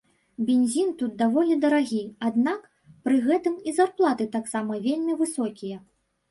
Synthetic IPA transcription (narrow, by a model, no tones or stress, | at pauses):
bʲenʲzʲint̪ut̪̚d̪avɔlʲid̪ɐɾaɣʲiad̪nak | pɾɨɣɛt̪ɨmizarplˠat̪ɨt̪aksamɐvʲelʲmʲivɨsɔkʲijɐ